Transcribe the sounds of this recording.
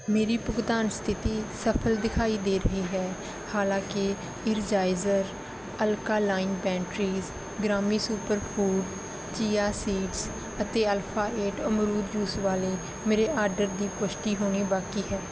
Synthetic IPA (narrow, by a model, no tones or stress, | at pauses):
meːɾiːpʊɡd̪aːnst̪ʰɪt̪iːsəpʰəld̪ɪkʰaːiːd̪eːɾəɦiːɦɛː | haːlãːkɪ | ɪɾd͡ʒaːɪzəɾ | əlkaːlaːɪnbɛ̃ːɳʈɾiːz | ɡɾaːmiːsuːpəɾpʰuːɖ | t͡ʃiːaːsiːʈs | ət̪eːəlpʰaːʔeːʈəmɾuːd̪juːsʋaːleː | meːɾeːʔaːɾɖəɾd̪iːpʊʃʈ̪iːɦoːɽ̃iːbaːkiːɦɛː